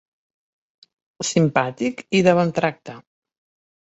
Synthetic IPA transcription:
simpat̪ikiðəβənt̪ɾak̚t̪ə

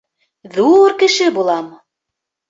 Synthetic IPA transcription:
ðuɾkɘ̆ʃɘ̆bulˠɑm

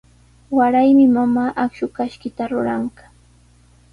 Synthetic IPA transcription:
waɾajmɪmamaːʔakʃʊkaʃkɪt̪aɾʊɾaɴɢḁ

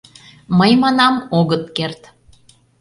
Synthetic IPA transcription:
məjmɑnɑmoɣət̪kert̪

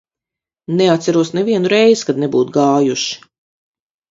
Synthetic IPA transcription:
nɛat̪sæɾuɔsnɛviɛnuɾɛjz̥kad̪̚nebuːt̪ɡaːjuʃi̥

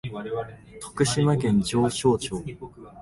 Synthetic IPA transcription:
t̪ʰo̥kɯ̟ɕimakẽ̞ɲ̟d͡ʑo̞ːɕo̞ːt͡ɕo̞ː

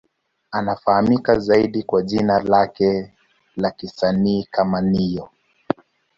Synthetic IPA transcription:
anafahamikazaiɗikwaʄinalakɛ | lakisaniːkamanijɔ

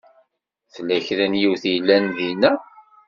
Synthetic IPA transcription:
θəlːæçɾænjiwθijlːænðinːæ

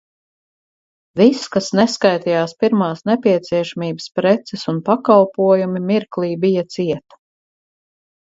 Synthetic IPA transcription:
viskasnɛskajt̪ijaːspiɾmaːsnɛpʲiɛt̪siɛʃamiːbəspɾɛt̪sɛsunpakalˠpuɔjumimiɾklˠiːbijɐt̪siɛt̪

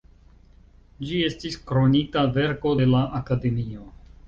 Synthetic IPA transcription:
d͡ʒie̞stiskɾo̞nikave̞ɾko̞de̞laʔakade̞mio̞

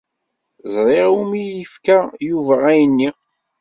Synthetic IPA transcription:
zˤɾˤeʁumijəfkæjuvææjənːi

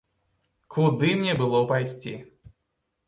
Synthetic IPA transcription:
kud̪ɨmnʲɛbɨlˠɔpajsʲt͡sʲḭ

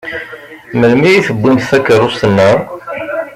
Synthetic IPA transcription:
məlmijiθəbːinθækːəɾˤʊsənːə

